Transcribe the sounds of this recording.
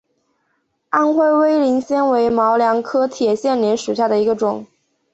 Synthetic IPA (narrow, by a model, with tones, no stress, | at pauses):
a˥˧nxwe˥˧ɪwe˥ɪli˧˥nɕjɛ˥nwe˧˥ɪmɑ˧˥ʊljɑ˧˥ŋkʰɤ˥t̪ʰjɛ˨˩ɕjɛ˥˩nljɛ˧˥nʂu˨˩ɕ̬ja˥˩d̪ə˩i˧˥ɡə˧ʈ͡ʂʊ˨˩˦ŋ